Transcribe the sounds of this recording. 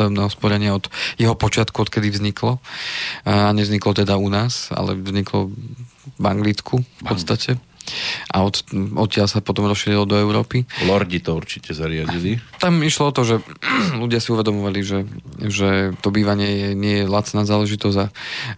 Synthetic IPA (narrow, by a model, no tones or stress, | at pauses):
d̪ɔmnɛːɦɔspɔɾɛɲɪaɔd̪̥jɛɦɔpɔt͡ʃɪat̪kuɔt̪kɛd̪ivzɲikʰlɔ | aɲɛvzɲiklɔt̪ɛd̪aunaːsa̰lɛ̰vzɲiklɔ | ʋaŋɡliːt͡skʰufpɔst̪acɛ | ʔa̰ɔt̪ɔt̪cɪalsapɔt̪ɔmɾɔsʃiːɾilɔd̪ɔɛʊɾɔːpilɔɾɟit̪ɔuɾt͡ʃicɛzaɾɪaɟilit̪amiʃlɔɔt̪ɔʒɛluɟɪasiuʋɛd̪ɔmɔʋaliʒɛʒɛt̪ɔbiːʋaɲɪɛjɛɲɪɛjɛlat͡snaːzaːlɛʒit̪ɔza